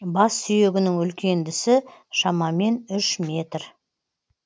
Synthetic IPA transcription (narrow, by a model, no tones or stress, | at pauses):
bɑsːʏje̞ɡʲɪnɪŋʏlkʲe̞nd̪ɪsɪʃɑmɑme̞nʏʃmʲe̞t̪r